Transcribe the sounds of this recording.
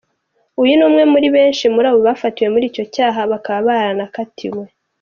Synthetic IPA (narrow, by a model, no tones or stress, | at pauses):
ujunuːmŋe̞muɾiβe̞ːnʃimuɾaːβo̞βafatiwe̞muɾiːco̞caːɦaβakaβaβaːɾanakatʰimwe̞